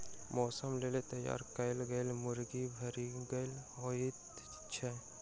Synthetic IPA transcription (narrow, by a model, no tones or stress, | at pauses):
mɔːsəmleːlet̪ɐja̰ːɾkɐɪlɡɐjlmʊɾɡibʱɐɾiɡɐlɦoit̪ | t͡ʃʰe